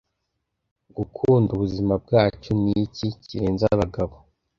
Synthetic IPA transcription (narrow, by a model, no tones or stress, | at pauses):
ɡukʰuːnduβuzimab̚ɡaːt͡ʃonniciciɾeːnzaβaɡaβo